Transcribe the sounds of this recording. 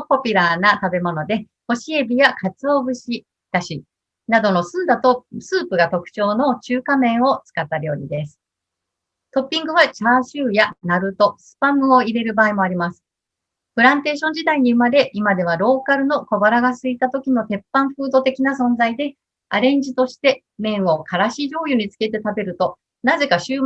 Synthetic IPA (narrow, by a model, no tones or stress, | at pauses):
popʲiɾanat̪abe̞mo̞no̞d̪e̞ | ho̞ɕie̞bʲijakʰat͡sɨo̞ːbɯ̟ɕi | t̪aɕi | nad̪o̞no̞sɨ̃nd̪at̪o̞sɨːpɯɡat̪o̞kɯ̟̥t͡ɕo̞ːno̞t͡ɕɨːkamẽ̞ɰ̃o̞t͡sɨ̥kat̪ːaɾjo̞ːɲ̟id̪e̞sɨ̥ | t̪o̞pʲːĩŋɡɯ̟βat͡ɕaːɕɨːjanaɾɯ̟t̪o̞sɨ̥pãmɯ̟o̞iɾe̞ɾɯ̟baːimo̞aɾʲimasɨ̥ | pɯ̟ɾãnt̪e̞ːɕõ̞ɲ̟d͡ʑid̪aiɲ̟iɯ̟maɾe̞ʔimad̪e̞βaɾo̞ːkaɾɯ̟no̞ko̞baɾaɡasɨit̪at̪o̞kʲino̞t̪e̞pːãɰ̃ɸɯ̟ːd̪o̞t̪e̞kʲinasõ̞nd͡zaid̪e̞ | aɾẽ̞ɲ̟d͡ʑit̪o̞ɕi̥t̪e̞ | mẽ̞ɰ̃o̞kʰaɾaɕiːʑo̞ːjɯɲ̟it͡sɨ̥ke̞t̪e̞t̪abe̞ɾɯ̟t̪o̞ | naze̞kaɕɨː